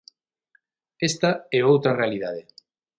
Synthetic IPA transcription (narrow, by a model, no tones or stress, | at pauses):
est̪ɐɛowt̪ɾɐrealiðaðe